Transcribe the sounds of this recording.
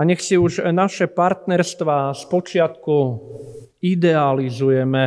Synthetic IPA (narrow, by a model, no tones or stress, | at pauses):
aɲɛxsiuʒnaʃɛpaɾt̪nɛɾst̪ʋaːspɔt͡ʃɪat̪ku | id̪ɛalizujɛmɛ